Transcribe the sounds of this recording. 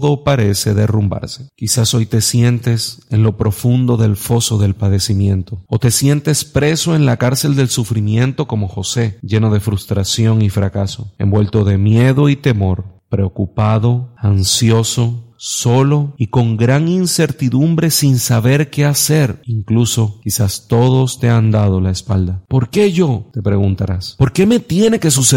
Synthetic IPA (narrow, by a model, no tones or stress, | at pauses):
ðopaɾe̞se̞ðe̞rumba̰ɾse̥kisaso̞jt̪e̞sje̞nt̪e̞se̞nlo̞pɾo̞fund̪o̞ðe̞lfo̞so̞ðe̞lpaðe̞simjẽ̞nt̪o̞ot̪e̞sje̞nt̪e̞spɾe̞so̞e̞nlakaɾse̞ld̪e̞lsufɾimjẽ̞nt̪o̞ko̞mo̞xo̞se̞ʝe̞no̞ðe̞fɾust̪ɾasjo̞ŋifɾakaso̞e̞̰mbwe̞lt̪o̞ðe̞mje̞ðo̞it̪e̞mo̞ɾpɾe̞okupaðo̞ansjo̞so̞so̞lo̞iko̞ŋɡɾaŋinse̞ɾt̪iðumbɾe̞sinsaβe̞ɾke̞ase̞ɾiŋkluso̞kisast̪o̞ðo̞st̪e̞and̪að̞o̞laespa̰ld̪apo̞ɾke̞ʝo̞t̪e̞pɾe̞ɣunt̪aɾaspo̞ɾke̞me̞t̪je̞ne̞ke̞sus